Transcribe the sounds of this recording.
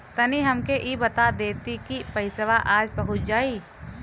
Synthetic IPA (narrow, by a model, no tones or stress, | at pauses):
t̪ɐniɦɐmkeʔibɐt̪ad̪eːt̪ikipɐɪsəʋaʔaːd͡ʒbɐɦʊt̪̚d͡ʒaːiː